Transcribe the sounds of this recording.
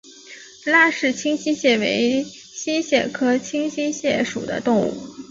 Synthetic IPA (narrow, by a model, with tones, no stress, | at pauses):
la˥˧ʂɻ̩˥˩t͡ɕʰi˥ŋɕi˥ɕjɛ˥˩we˧˥ɪ | ɕi˥ɕjɛ˥˩kʰɤ˥t͡ɕʰi˥ŋɕi˥ɕjɛ˥˩ʂṵ˨˩d̪ə̰˦t̪ʊ˥˧ŋṵ˥˩